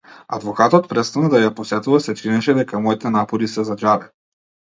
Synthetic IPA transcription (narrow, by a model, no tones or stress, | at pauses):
a̰d̪vɔkat̪ɔt̪̚pɾɛt̪st̪anad̪ajaposɛt̪uvasɛt͡ʃ̪inɛʃɛd̪ɛkamɔit̪ɛnapɔɾisɛzad͡ʒad̪ɛ